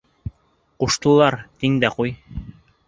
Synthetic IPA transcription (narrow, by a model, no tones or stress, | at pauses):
quʃt̪ɤ̆lˠɑɾt̪iŋd̪æquj